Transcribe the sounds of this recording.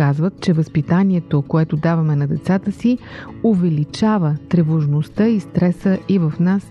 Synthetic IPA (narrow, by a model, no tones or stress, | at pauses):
azvət̪̚t͡ʃɛvəspit̪aniɛt̪okoɛt̪od̪avɐmɛnɐd̪ɛt̪sat̪əsiovɛlit͡ʃavət̪ɾɛvoʒnost̪əist̪ɾɛsəʔivəfnas